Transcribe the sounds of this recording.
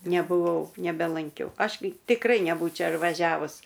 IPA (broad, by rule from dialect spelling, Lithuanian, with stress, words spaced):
nʲɛbʊˈʋɐʊ nʲɛbʲɛlˠɐŋʲˈkʲɛʊ ˈɐʃ ɡʲɪ tʲɪkˈrɐɪ nʲɛˈbuːt͡ʃʲɛ ɪr ʋɐˈʒʲæːʋʊs